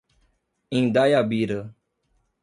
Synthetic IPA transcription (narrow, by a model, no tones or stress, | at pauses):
ĩnd̪ajabiɾə